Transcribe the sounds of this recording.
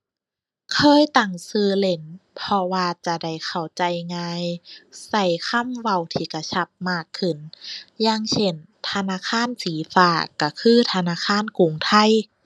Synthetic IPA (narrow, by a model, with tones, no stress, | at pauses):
kʰɤː˧˥˨jt̪a˨˩ŋsɯː˧le˧˦npʰɔ˧waː˧t͡ɕa˧˩da˧˩jkʰa˨˩wt͡ɕa˧˦jŋaː˧jsa˧˩jkʰa˧˥˨mwa˧˩wt̪ʰiː˧˩ka˧˩t͡ɕʰa˧˩p̚maː˧˩kʰːɯ˧˩njaː˧ŋsʰe˧˩n | t̪ʰa˧naː˧˨kʰaː˧˥˨nsiː˨˦faː˧˩ka˧˩kʰɯː˧˥˩t̪ʰa˧naː˧˥˨kʰaː˧˥˨nku˧˨ŋt̪ʰa˧˩˨j